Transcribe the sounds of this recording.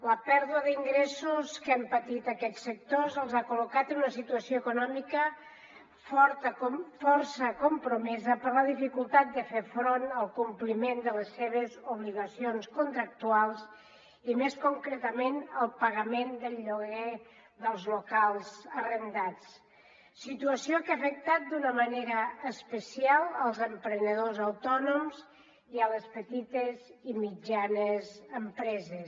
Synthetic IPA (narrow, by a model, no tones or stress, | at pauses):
ləpɛɾðuəðiŋɡɾɛsuskɛmpət̪it̪əkɛt͡sːək̚t̪ozəlˠzakulukat̪ənunəsit̪uəsioəkunɔmikə | fɔɾt̪əomfɔɾsəkumpɾumɛzəpəɾləðifikulˠt̪at̪̚d̪əfeɾfɾonəlˠkumplimend̪ələsːeβ̞əzuβ̞liɣəsionskunt̪ɾək̚t̪ualˠs | imeskuŋkɾet̪əmenəlˠpəɣəmend̪əʎːoɣɛ | d̪əlˠzlukalˠzərənd̪at͡s | sit̪uəsiokafək̚t̪at̪̚d̪unəməneɾəːspəsialˠəlˠzəmpɾənəðozawt̪ɔnomz | iələspət̪it̪əzimid͡ʒanəzəmpɾɛzə